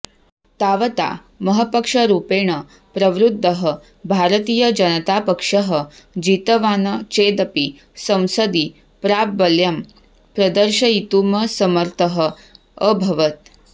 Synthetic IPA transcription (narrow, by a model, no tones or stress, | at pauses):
t̪aʋət̪a̰ | məɦəpəkʂəɾuːpeːɳ̃ə | pɾəʋɾud̪ʱːəɦə | bʱaɾət̪iːjəd͡ʒɐnət̪apəkʂəɦəd͡ʑiːt̪əʋaːnət͡ʃeːd̪əpi | sə̃w̃səd̪i | pɾap̚bəljɐm | pɾɐd̪əɾʃəit̪uːməsəməɾt̪ʰəɦə | əbʱɐʋət̪